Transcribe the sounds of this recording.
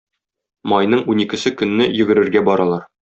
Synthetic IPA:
mɒjnɤɴunikɘ̆sɘkɵ̆nːɘjɵ̆ɡɘ̆ɾɘ̆ɾɡæbɒɾɑlˠɑɾ

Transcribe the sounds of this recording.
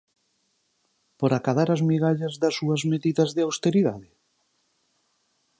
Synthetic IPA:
poɾakaðaɾazmiɣaʎazðɐsuɐzmeðiðɐzðeawst̪eɾiðaðɪ

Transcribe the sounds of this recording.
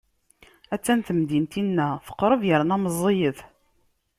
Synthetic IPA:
æt͡sːænt̪əmd̪int̪inːæθə̥qːɾˤəvjəɾnæməzˤːejəθ

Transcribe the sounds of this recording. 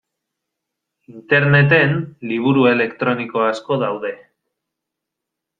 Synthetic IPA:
int̪e̞ɾne̞t̪e̞nliβ̞uɾue̞le̞kt̪ɾo̞niko̞asko̞ðawðe̞

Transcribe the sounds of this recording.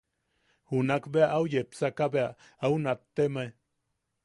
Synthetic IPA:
hunakbeaʔaujepsakabea | aunat̪ːemaj

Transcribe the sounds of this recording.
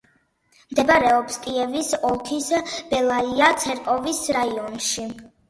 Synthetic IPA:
md̪ɛbaɾɛɔpskʼiɛvisɔlˠkʰisb̥ɛlˠaiat̪sʰɛɾkʼɔvisɾaiɔnʃi

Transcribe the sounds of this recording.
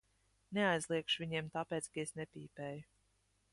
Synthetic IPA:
neajzlˠiɛkʃuvʲiɲiɛmt̪apeːt̪skaesnepʲiːpʲɛːju

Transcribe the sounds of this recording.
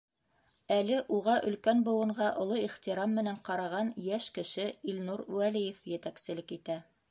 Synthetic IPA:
ælɘʔuʁɑʔɵ̆lkænbɤ̆wɤ̆ɴɢɑʔŏlˠoiχt̪iɾɑmːɘ̆næɴqɑɾɑʁɑnjæʃkɘ̆ʃɘilnuɾwælijɘfjɘ̆t̪æksɘ̆lɘkit̪æ

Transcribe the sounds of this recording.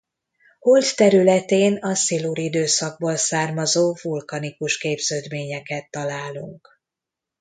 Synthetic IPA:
holt̪ːɛɾylɛt̪eːnɒsiluɾid̪øːsɒɡ̚boːlsaːrmɒzoːvulkɒnikuʃkeːbz̥øːd̪meːɲɛkɛt̪ːɒlaːlṵŋk

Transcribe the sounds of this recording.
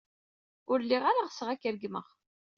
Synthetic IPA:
ʊɾlːiʁaɾaʁsəʁækːɾɡmə̰ʁ

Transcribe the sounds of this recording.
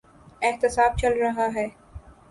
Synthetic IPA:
eht̪ɪsaːb̚t͡ʃɐlɾɐɦaɦɛː

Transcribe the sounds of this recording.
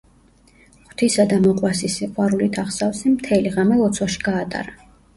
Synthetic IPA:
χw̥t̪ʰisad̪amɔqʼwasisiqʼwaɾulit̪ʰaχsafsimt̪ʰɛliʁamɛlɔt̪sʰwaʃi̥ɡaːt̪ʼa̰ɾa

